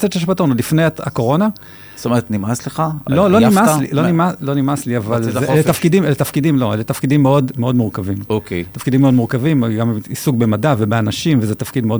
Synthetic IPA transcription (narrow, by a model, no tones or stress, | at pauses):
seʃeʃbat̪nulifnejaa̰ko̞ʁo̞na | st̪omeet̪nimasleχaloloimaslilonimaslo̞nimasliavalzelet̪afkidimelet̪afkidimlo̞elet̪afkidimːeo̞d̪meo̞d̪muʁkavimoket̪afkidimːeo̞d̪muʁkavimɡamiisuɡ̚be̞madavebeanaʃimvezet̪afkid̪meod